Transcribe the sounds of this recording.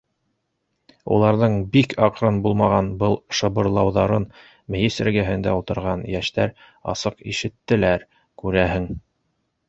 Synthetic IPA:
ṵlˠɑɾðɤɴbikʰɑqɾɤnbulˠmɑʁɑnbɤlˠʃɤ̆βɤ̆ɾlˠɑwðɑɾɤn | mɘ̆jisɘ̆ɾɡæɦɘ̆nd̪æ̰ulˠt̪ɤ̆ɾʁɑnjæʃt̪æɾ | ɑ̰sɤqiʃɘ̆t̪ːɘ̆læɾ | kʉɾæɦɘŋ

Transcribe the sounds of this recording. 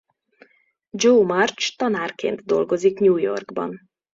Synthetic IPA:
d͡ʒoːmɒrt͡ʃt̪ɒnaːrkḛːnt̪d̪o̞̰lɡo̞zikɲuːjo̞̰rɡbɒ̰n

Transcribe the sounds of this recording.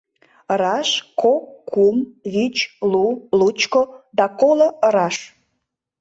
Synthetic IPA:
əɾɑʃkʰokʰːumβit͡ɕlulut͡ɕkod̪ɑkoloəɾɑʃ

